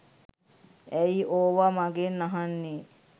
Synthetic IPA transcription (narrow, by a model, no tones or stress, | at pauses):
ɛjiʔoːʋamaɡenːaɦanːe